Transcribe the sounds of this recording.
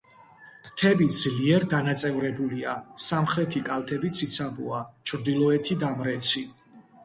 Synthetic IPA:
t̪ʰɛbid̪z̥liɛɾd̪anat̪sʼɛvɾɛbuliasamχɾɛt̪ʰikʼalˠt̪ʰɛbit̪sʰit̪sʰabṵat͡ʃʰɾd̪ilˠɔɛt̪ʰid̪amɾɛt̪sʰi

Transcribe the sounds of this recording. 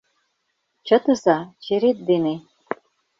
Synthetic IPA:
t͡ɕɤ̆t̪ɤ̆zɑt͡ɕeɾet̪̚d̪ene

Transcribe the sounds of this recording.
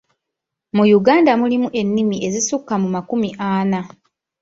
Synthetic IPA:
mujuɡaːndamulimuʔe̞nːimiʔe̞zisukːamumakumiʔaːna

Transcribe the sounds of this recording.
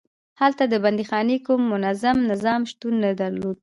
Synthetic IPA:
halt̪ad̪əband̪ixɑnekumːʊnazamnɪzɑmʃt̪unːad̪aɾlod̪̚

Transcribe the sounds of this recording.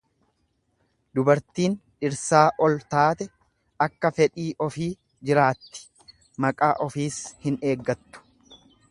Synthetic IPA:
d̪ʊbɐɾt̪iːnᶑɪɾsaːʔɔlt̪aːt̪ɛ | ɐkːɐfɛᶑiːʔɔfiː | d͡ʒɪɾaːt̪ːɪ̥ | mɐkʼaːʔɔfiːshɪne̞ːɡːɐt̪ːʊ̥

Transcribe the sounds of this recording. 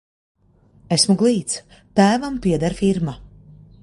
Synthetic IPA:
esmuɡlˠiːt̪s | t̪æːvampiɛd̪aɾfiɾma

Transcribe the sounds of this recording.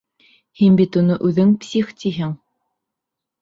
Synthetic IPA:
hinbit̪unɤʔʉðɘŋpsʲiχt̪ʰiɦɘŋ

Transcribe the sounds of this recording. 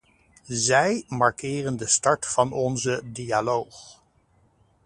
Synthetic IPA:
zɛjmɑɹkɪːrəndəstɑɹtfɑnɔnzədialowχ

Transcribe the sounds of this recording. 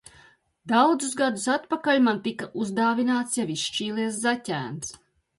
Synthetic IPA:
d̪awd̪zusɡad̪usat̪pakalʲmant̪ikaʔuzd̪aːvinaːt̪sjaviʃʃt͡ʃiːlˠiɛszatʲæ̰ːns

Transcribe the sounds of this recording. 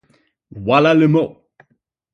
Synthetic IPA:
walalemɔ

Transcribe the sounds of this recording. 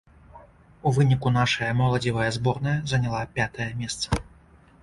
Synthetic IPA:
uvɨnʲikun̪aʂɐjɐmɔlˠɐd͡zʲivɐjɐzbɔrnɐjɐzɐnʲalˠapʲat̪ɐjɐmʲɛst̪sɐ̥

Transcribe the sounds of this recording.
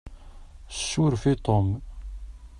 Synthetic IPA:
ʃːʊɾfit̪ˤom

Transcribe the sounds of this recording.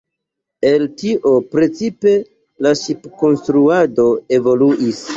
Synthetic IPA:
e̞ltiʔo̞pɾe̞t͡sipe̞ | lasupko̞nst̪ɾuado̞e̞vo̞luʔis

